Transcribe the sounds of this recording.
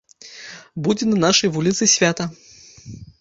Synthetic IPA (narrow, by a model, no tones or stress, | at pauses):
bud͡zʲɛnɐnaʂɐjvulʲit̪sɨsʲvʲat̪ɐ